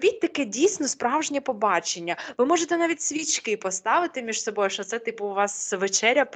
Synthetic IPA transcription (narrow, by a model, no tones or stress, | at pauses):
bʲit̚ʲt̪ɐkɛdʲijsʲnɔspɾɑwʒnʲɛpɔbɑt͡ʃenʲːɐʋɪmɔʒet̪ɛnɑʋʲitʲsʲʋʲit͡ʃkɪpɔst̪ɑʋɪt̪ɪmʲiʃsɔbɔjʊʃɔt̪sɛt̪ɪpʊːʋɑsʋet͡ʃɛɾʲːɐ